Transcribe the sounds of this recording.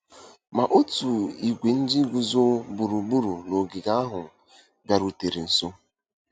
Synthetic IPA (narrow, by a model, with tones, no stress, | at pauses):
ma˨ʔo˦tu˨i˨ɡʷe˨n̩˦d͡ʒi˦ɡʷu˨zo˦bu˨ɾu˨bu˦ɾu˨no˨ɡɪ˨ɡa˦a˦ɦʊ˨ | bja˨ɾu˨te˨ɾe˨n̩˨so˦